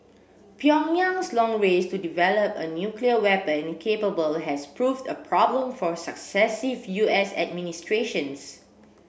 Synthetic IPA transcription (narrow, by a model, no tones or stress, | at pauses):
piɔniãŋslɔ̃ŋɹestudivɛləpə̰njukliəwɛpə̃nkʰepəbəlɦɛspɹuvdəpʰɹɔblə̃mfɔsəksɛsivjuɛsɛ̰d̚ministɹeʃə̃ns